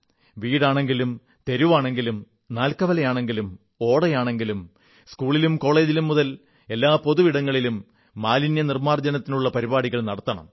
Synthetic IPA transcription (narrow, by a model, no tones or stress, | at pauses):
ʋiːɽaːɳe̞ŋɡilum | t̪e̞ɾuʋaːɳe̞ŋɡilum | naːlkɐʋɐlɐjaːɳe̞ŋɡilum | o̞ːɽɐjaːɳe̞ŋɡilum | skuːɭilumko̞ːɭe̞ːd͡ʑilumːuðɐl | e̞lːaːpo̞ðuʋiɽɐŋːɐɭilumː | aːlinjɐnirmaːrd͡ʑɐnɐt̪ːinuɭːɐpɐɾibaːɽiɣɐɭnɐɽɐt̪ːɐɳɐ̰m